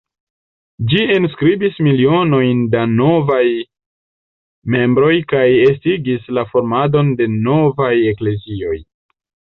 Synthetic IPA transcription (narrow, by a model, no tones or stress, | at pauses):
d͡ʒienskɾibismilio̞no̞jndano̞vaj | me̞mbɾo̞jkaje̞stiɡislafo̞ɾmado̞nde̞no̞vaje̞kle̞zio̞j